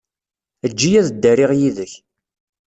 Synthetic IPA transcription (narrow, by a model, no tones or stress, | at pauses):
əd͡ʒːijæðəd̪ːərɪʁjiðəç